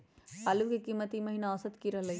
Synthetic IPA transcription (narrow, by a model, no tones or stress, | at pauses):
aːlukikiːmət̪imɐɦiːnaəsət̪kiɾɐɦlɐi